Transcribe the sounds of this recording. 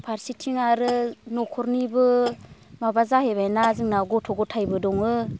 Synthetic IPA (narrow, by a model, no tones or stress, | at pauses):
pʰaɾsitʰiŋaɾɯnɔkʰɔɾnibɯ | mabazahebajnazɯŋnaɡɔtʰɔɡɔtʰajbɯdɔŋɯ